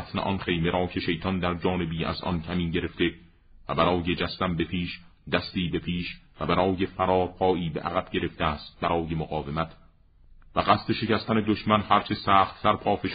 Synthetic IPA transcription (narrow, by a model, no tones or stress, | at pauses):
t̪nḛʔɒnχe̞jme̞ɾʔɒːcʰe̞ʃe̞jt̪ʰɒnd̪æɾd͡ʒɒːne̞biːæ̰zʔɒ̰ncʰæmiːɟe̞ɾe̞ft̪e̞ | væbæɾɒːjed͡ʒæst̪æmbe̞pʰiːʃd̪æst̪iːbe̞pʰiːʃvæbæɾɒːjefæɾɒːɾpʰɒːʔiːbeʔæ̰ɣæb̥ɟe̞ɾe̞ft̪eæːst̪̚bæɾɒːje̞moɣɒːvemæt̪ʰ | væɢæst̪e̞ʃe̞cæst̪æned̪oʃmænhæɾt͡ʃʰe̞sæːxt̪sæɾpʰɒːfeʃ